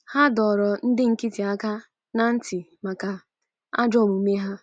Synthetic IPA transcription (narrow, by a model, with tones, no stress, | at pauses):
ha˦dɔ˨ɾɔ˨n̩˦dɪ˦ŋ̩˨ki˦ti˨a˦ka˦ | na˦n̩˦tɪ˨ma˨ka˨ | a̰˦d͡ʒɔ˦˨mu˨me˦ɦa˦